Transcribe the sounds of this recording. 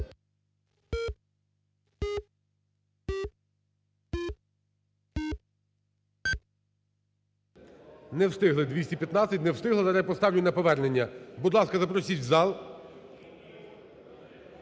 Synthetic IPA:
nɛwst̪ɪɦlˠɪd̪ʲʋʲisʲtʲipʲjɐt̪nɑt͡sʲsʲɐtʲnɛwst̪ɪɦlˠɪd̪ɐɾɛjpɔst̪ɑwlʲʊnɐpɔʋɛrnenʲːɐbud̪lˠɑskɐzɐpɾɔsʲit͡ʃʲzɑlˠ

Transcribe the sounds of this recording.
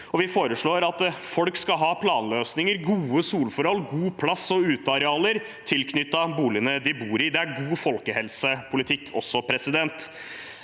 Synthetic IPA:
ɔʋɪfoːɾəʂɭoːɾɑt̪fɔlkskɑɦɑːpʰlɑːnløːsnɪŋəɾɡuːəsuːlfɔɾhɔlːɡuːpʰlɑsːɔʉːt̪əɑɾɛɑːləɾ | t̪ʰɪlkʰnʏt̪ːɑbuːlɪənəd̪ɪbuːɾɪd̪ɛæɾɡuːfɔlkəhɛlsəpʰʊlɪt̪ʰɪkːʰɔ̰sːɔpʰɾɛsɪd̪ɛnt̪

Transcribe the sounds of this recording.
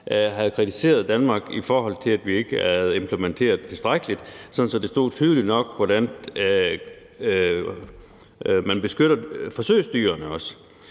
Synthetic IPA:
ʔɦæðˠkʰʁit͡sʰi̥se̝̰ːɐð̞ˠd̥ænmɑ̈ːɡ̥ifɒːɦɒ̽l̰t͡sʰe̝læd̥ʋie̝ɡ̥əææð̩ˠe̝mpʰləment͡sʰe̝̰ːɐð̩ˠt͡sʰe̝lsd̥ʁaɡ̥əlid̥sɒ̽nn̩sɒ̽d̥e̝sd̥o̝̰ːt͡sʰyːðˠəlid̥nɒ̽ɡ̥ʋɒɾ̥æn | mænb̥e̝sɡ̥øɾ̥ɐfɒ̽sø̰ɪsd̥y̰ːɐnəɒ̽s

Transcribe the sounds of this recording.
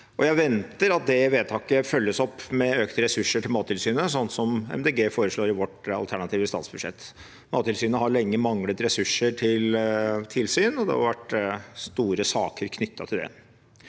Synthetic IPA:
ʔɔjæɪʋɛnt̪əɾɑt̪̚d̪ɛʋeːt̪ʰɑːkəfœlːəsɔpːmɛøkt̪əɾɛsʉʂːəʈʰɪlmɑːt̪ʰɪlsyːnəsɔnt̪sɔmɛ̰md̪eːɡeːfoːɾəʂɭoːɾɪʋɔʈɑ̰lt̪ʰæɳɑt̪ʰiːʋəst̪ɑ̰ːt̪sbʉd̪ʂɛ̰t̪ː | mɑ̰ːt̪ʰːɪlsyːnəɦɑɾɭɛŋːəmɑŋlət̪ɾɛsʉʂːəʈʰɪlt̪ʰɪlsyːnɔd̪ɛ̰hɑ̰ɾʋæʈst̪uːɾəsɑːkəɾkʰnʏt̪ːɑt̪ʰɪld̪ɛ̰

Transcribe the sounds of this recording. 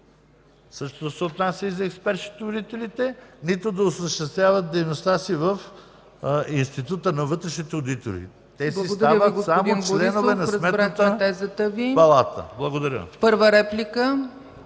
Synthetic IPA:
sɤʃt̪ot̪osɛot̪nasʲjəizɐɛkspɛɾʃi̥t̪ood̪it̪ɛlit̪ɛnit̪od̪ɐosəʃt̪ɛst̪vʲjavət̪̚d̪ɛjnost̪asivɐf | inst̪it̪ut̪ənɐvɤt̪ɾɛʃnit̪ɛod̪it̪o̰ɾḭ | t̪ɛsisɡd̪avəɡosamd̪ot͡ʃlɛnovɛnɐsmɛɾt̪ət̪ɛzət̪əvipɐlˠat̪ə̰blˠɐɡod̪ɐɾʲjə̰pəɾvəɾɛplʲikə

